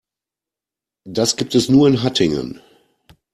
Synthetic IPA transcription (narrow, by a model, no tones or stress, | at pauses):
dasɡ̥iːp̚tɛsnuːɐɪnɦatʰɪŋə̰n